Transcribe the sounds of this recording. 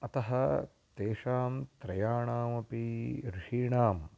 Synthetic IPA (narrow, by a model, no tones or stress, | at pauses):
ɐt̪ɐɦɐ | t̪eːʂaːmt̪ɾɐjaːɳaːmɐpiɾiʃiːɳaːm